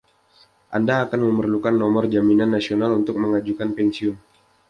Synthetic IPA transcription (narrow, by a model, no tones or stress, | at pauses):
ʔandaːkanməmərlukanːɔmɔrd͡ʒaminanːasionalunt̪ʊk̚məŋad͡ʒukanpɛnsiʊn